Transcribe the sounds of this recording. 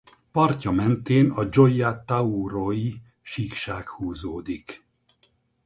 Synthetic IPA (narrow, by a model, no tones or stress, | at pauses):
pɒrcɒmɛnt̪eːnɒd͡ʒo̞jat̪auɾoji | ʃikʃaːkhuːzoːd̪ik